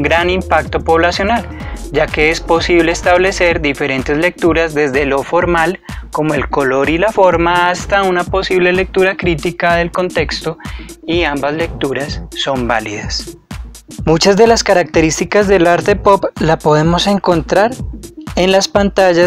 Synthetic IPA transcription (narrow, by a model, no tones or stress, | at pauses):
ɡɾanimpakt̪o̞po̞βlasjo̞nal | d͡ʒake̞espo̞siβle̞ːst̪aβle̞se̞ɾd̪ife̞ɾe̞nt̪e̞zle̞k̚t̪uɾazd̪e̞zd̪e̞lo̞fo̞ɾmalko̞moe̞lko̞loɾilafo̞ɾmaːst̪aunapo̞siβle̞le̞k̚t̪uɾakɾit̪ikaðe̞lko̞nt̪e̞kst̪oiambazle̞k̚t̪uɾasːo̞mbaliðas | mut͡ʃazd̪e̞laskaɾak̚t̪e̞ɾist̪ikazd̪e̞laɾt̪e̞poplapo̞ðe̞mo̞se̞ŋko̞nt̪ɾaɾe̞nlaspant̪aʝa